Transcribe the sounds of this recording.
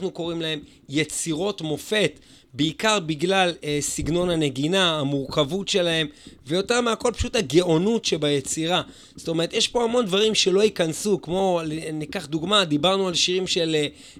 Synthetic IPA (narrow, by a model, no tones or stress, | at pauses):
nuko̞ʁimlae̞m | jet͡siʁo̞tmo̞fe̞t | beikaʁbiɡlalesiɡno̞naneɡinaːmuʁkavutʃe̞lahe̞mvejo̞te̞ʁmeako̞lpḁʃuthaɡeo̞nutʃebajet͡siʁa | zstome̞ʁet̪jeʃpo̞amo̞nd̪vaʁimʃe̞lo̞ikansukmo̞lnikaχd̪uɡmad̪ibaʁnualʃiʁimʃe̞l